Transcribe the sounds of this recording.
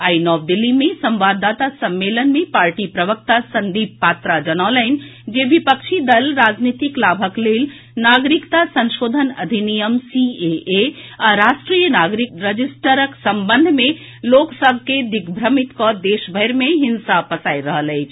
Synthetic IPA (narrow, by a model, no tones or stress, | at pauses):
ainɔːʋd̪ilːimesəmʋad̪ːat̪asəmːelənmepaɾʈipɾəʋəkt̪asənd̪ibppat̪ɾad͡ʒənaləɪnd͡ʒeʋipəkʃʰid̪əlɾad͡ʒnit̪iklabʱəklel | naɡɾikt̪asə̃nʃod̪ʱənɐd̪ʱinijəmsieeaɾaʃʈɾijənaɡɾiɾəd͡ʒisʈəɾəksəmbənd̪ʱmẽ | loksəbʱked̪iɡʱbʱɾəmit̪kɔd̪eʃbʱəɾmeɦinsapəsaiɾəɦələjt͡ʃʰ